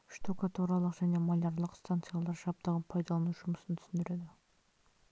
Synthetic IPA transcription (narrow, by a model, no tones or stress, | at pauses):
ʏ̥ʃt̪okat̪uɾalˠəqʒæne̞maj̪ʲɑɾlˠəqst̪ant̪sɨijalˠɑɾʒɑp̚t̪ɑʁənpʰɑjd̪ɑlˠɑnuʒʊməsənt̪ʰʏ̥sɪnd̪ɪɾe̞d̪ɪ